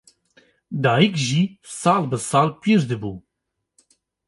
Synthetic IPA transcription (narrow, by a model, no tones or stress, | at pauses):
d̪ɑːjikʒisɑːlbɨsɑːlpiɾd̪ɨbuː